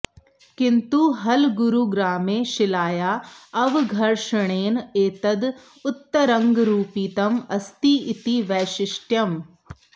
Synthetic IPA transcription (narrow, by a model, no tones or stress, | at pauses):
kint̪uɦɐlɡuɾuɡɾaːmeːʃɪlaːjaːɐʋɡʱɐɾʃɐɳeːneːt̪ɐd̪ | ʊt̪ːɐɾɐŋɡɾuːpiːt̪ɐmɐst̪iit̪iʋɛːʃɪʃʈjɐm